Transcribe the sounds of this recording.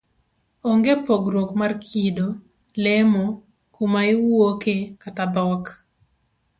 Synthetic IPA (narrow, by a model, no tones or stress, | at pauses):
oŋɡepoɡɾokmarkʰido | lɛmo | kumaɪwokekatad̪ɔk